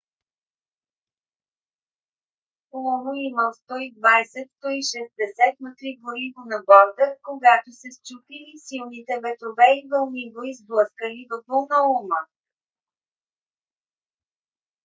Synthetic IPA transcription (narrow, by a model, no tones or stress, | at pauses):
lˠɔnoiməlˠst̪ɔid̪vajsɛt̪st̪ɔiʃɛzd̪ɛsɛt̪̚mɛt̪ɾiɡoɾivonɐbɔɾd̪əkoɡat̪osɛst͡ʃupilisilˠnit̪ɛbɛt̪ɾovɛivəlˠnivoizblˠɤskəlivɐbulˠnəumə